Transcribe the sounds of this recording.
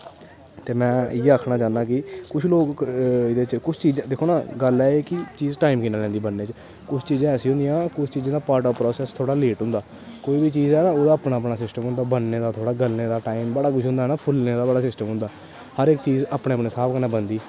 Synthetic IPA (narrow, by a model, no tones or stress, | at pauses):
t̪eːmɛ̃ːɪjeəːkʰnaːt͡ʃãːnd̪aːkɪkʊt͡ʃʰloːkɪd̪eːt͡ʃkʊt͡ʃʰt͡ʃiːd͡ʒd̪eːkʰoːnaːɡəlɛːeːkɪt͡ʃiːzʈaːimkɪnaːlɛ̃ːnd̪iːbənːeːt͡ʃ | kʊt͡ʃʰt͡ʃiːzãːɛːsĩːɦʊ̃nd̪ijãːkʊt͡ʃʰt͡ʃiːd͡ʒãːd̪aːpaːɾʈəːpɾɔːsɛːst̪ʰoːɽaːleːʈɦʊ̃nd̪aː | koːiːbit͡ʃiːzɛːnaːoːd̪aːəpɳaːəpɽaːsɪsʈəmɦʊ̃nd̪aːbənːeːd̪aːt̪ʰoːɽaːɡəlneːd̪aːʈaːimbəɽaːk̬ʊt͡ʃʰɦʊ̃nd̪aːɦnaːpʰʊlneːd̪aːbəɽaːsɪsʈəmɦʊ̃nd̪aː | həɾɪkt͡ʃiːzaːpɳeːəpɳeːsaːbkənãːbənd̪iː